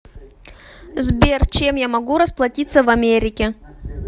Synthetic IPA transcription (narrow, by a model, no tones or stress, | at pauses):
zbʲert͡ɕemjamɐɡuɾəsplˠɐtʲit̪səvɐmʲeɾʲɪkʲɪ